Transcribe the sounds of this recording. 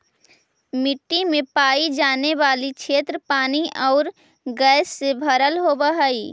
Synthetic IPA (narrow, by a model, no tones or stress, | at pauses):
mɪʈːimẽpaːid͡ʒaːneʋaːlikt͡ʃʃʰeːt̪ɾəpaːniʔɔːɾ | ɡɛːsːebʱəɾəlɦobəɦaːiː